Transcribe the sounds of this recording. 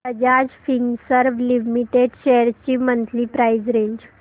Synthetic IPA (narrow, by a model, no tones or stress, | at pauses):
əd͡ʑad͡ʑfiŋsəɾʋlimiʈeɖɕɛəɾt͡ɕiːmənt̪liːpɾajd͡ʑɾeɲd͡ʑ